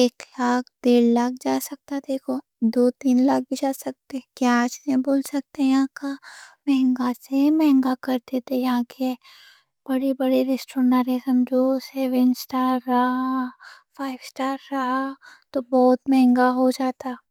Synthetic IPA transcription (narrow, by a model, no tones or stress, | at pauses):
eːklaːk̚ʰd̪eːɽlaːk̚d͡ʒaːsɐk̚t̪ad̪eːkʰo | d̪oːt̪iːnlaːk̚bit͡ʃaːsɐk̚t̪ekjat͡ʃneboːlsɐk̚t̪eɛ̃jɐɦãkamɛɦɛ̃ŋɡasemɛ̃ɦɛ̃ŋɡakɐɾt̪et̪ʰejɐɦãːke | b̥ɐɽibɐɽiɾesʈoːɾnaɾesə̃md͡ʒoːsɛːʋənsʈaːɾːa | fʰaːɪʋsʈaːɾːaɦat̪obɔːt̪mɛ̃ɦɛ̃ŋɡaɦod͡ʒaːt̪a